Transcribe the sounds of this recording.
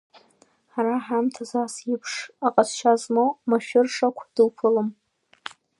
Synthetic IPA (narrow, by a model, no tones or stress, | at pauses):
ħaɾaħamtʰazasipʰʂaqʼasʃazmomaʃᶣʊrʂakʷʰd̥ɨlpʰɨlɨm